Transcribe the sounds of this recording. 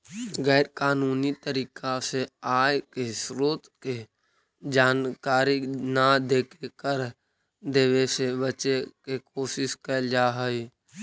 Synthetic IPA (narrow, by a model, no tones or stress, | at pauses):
ɣɛːɾkaːnuːnit̪əɾiːkaseaːjkesɾoːt̪ke | d͡ʒaːnkaːɾinad̪eːkʰekəɾ | d̪eːʋesebət͡ʃekek̚oːsɪskəd͡ʒaːɦəi